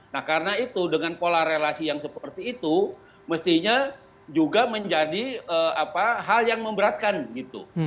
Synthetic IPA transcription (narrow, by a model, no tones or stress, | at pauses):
nahkaɾənait̪udəŋanpolaɾelasijaŋsəpərt̪iːt̪u | məst̪iɲa | d͡ʒuɡaməɲd͡ʒadiəapaɦaljaŋməmbəɾat̪̚kanɡit̪ṵ